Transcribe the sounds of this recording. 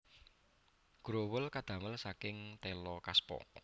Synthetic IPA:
ɡ̥ɾowʊlkad̪̥ä̤məlsakɪŋt̪ɛlɔkaspɔ̰

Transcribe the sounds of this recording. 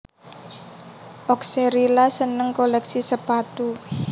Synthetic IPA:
ʔɔkseɾilasənəŋkolɛksisəpat̪u

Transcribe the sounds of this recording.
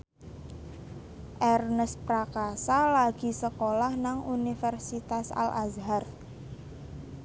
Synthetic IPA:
ʔɛrnəspɾakasalaɡ̥i̤səkolahnaŋunifɛrsit̪asa̰lʔa̰zɦar

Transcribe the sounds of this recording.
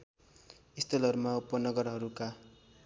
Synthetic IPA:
ist̪ʰʌlʌɾumaupːʌnʌɡʌɾɦʌɾuka

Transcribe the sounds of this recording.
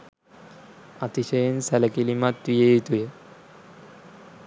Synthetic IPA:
at̪iɕɐjensɛlɐkilimat̪ʋijeit̪ujə

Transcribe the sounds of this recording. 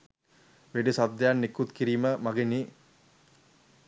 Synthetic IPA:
ʋeɖisad̪ejanːekːut̪kiɾiːməmaɡeni

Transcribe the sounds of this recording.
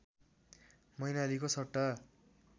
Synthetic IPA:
mʌjnalikosʰʌʈːa

